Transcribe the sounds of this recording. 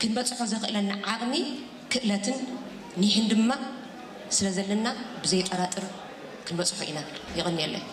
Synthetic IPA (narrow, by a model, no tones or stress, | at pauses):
kʰɨnbɐt͡sʼħozɐxɨʔɨlɐnːaʕaχʼmi | kʰɨʔlɐt̪ʰɨnː | iħɨnd̪ɨmːa | sɨlɐzɐlːɐnːabɨzɐjt̪ʼːɐɾat̪ʼɨɾ | kʰɨnbɐt͡sʼħoʔḭnajɪxʼɨnːiɛlːɐ̰